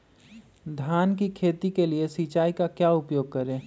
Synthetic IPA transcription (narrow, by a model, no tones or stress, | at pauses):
d̪ʱjaːnk̬ikʰeːt̪ikeliesiːt͡ʃaːikakjaːʊpjoːɡ̚kɐɾẽː